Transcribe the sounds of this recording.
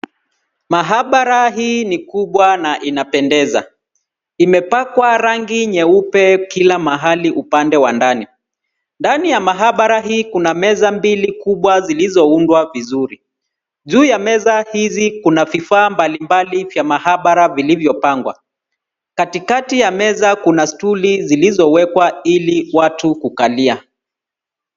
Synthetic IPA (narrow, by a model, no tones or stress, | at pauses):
maɦaɓaɾaɦiːnikuɓwanaʔinapɛndɛza̰ | imɛpakwaɾaŋɡiɲɛupɛkilamaɦaliʔupandɛwandani | ndanijamaɦaɓaɾaɦiːkunamɛzambilikuɓwazilizɔundwavizuɾi | ʄuːjamɛzahizikunavifaːmbalimbalivjamahaɓaɾavilivjɔpaŋɡwa̰ | katikatijamɛzakunastulizilizɔwɛkwailiwatukukalia